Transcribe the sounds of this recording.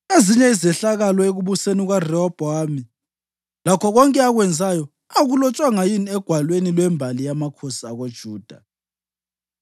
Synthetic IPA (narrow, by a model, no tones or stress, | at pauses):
eziɲɛizɛɬaɣalɔeɣuβuseniɣwarɛɔb̥ʱɔami | lakʰɔɣɔŋkʼɛaɣwɛnd͡zʱajɔ | aɣulɔt͡ʃʼwaŋajiniɛɡ̥ʱwalwenilwɛmbʱalijamakʰosiaɣod̥ʒ̥ʱuːd̥ʱa